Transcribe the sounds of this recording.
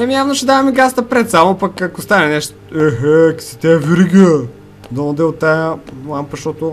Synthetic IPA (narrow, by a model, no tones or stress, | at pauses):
ɛmijavnoʃɛd̪avɐmiɡast̪ɐpɾɛt̪samʊpɐkɐkʊst̪anɛnɛʃt̪ | ɛɦɛksi̥t̪ɛviɾiɡiə | d̪ɐod̪ɛot̪ːajəlˠampɐʃt̪ɔt̪ʊ